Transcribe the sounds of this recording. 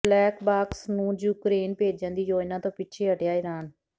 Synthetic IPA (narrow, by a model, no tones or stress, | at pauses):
lɛːkbaːksnũːjuːkɾeːnpeːd͡ʒd͡ʒãːnd̪iːd͡ʒoːɪnãːt̪õːpɪtːt͡ʃʰeːəʈjaːɪɾaːn